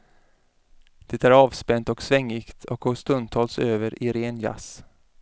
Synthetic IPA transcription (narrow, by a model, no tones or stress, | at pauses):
d̪̥ɛt̪æɾɑːvspɛnt̪ɔksvɛŋːɪkt̪ʰɔk̚ɡoːst̪ɵnd̪t̪ʰɑːlsøːvəɾʔɪɾeːnja̰s